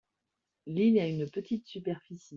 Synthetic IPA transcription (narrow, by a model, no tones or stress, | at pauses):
linaynpət̪it̪sypɛʁfisi